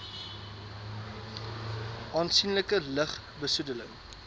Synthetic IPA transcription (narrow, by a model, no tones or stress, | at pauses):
ʔɑːnsinləkələχ | bəsudələŋ